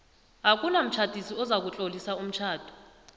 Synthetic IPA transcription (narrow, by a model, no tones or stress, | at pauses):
ak̬ʼunam̩t͡ʃʰad̥ʼʱisiɔzak̬ut͡ɬʼolisaum̩t͡ʃʰaːd̥ʱu̥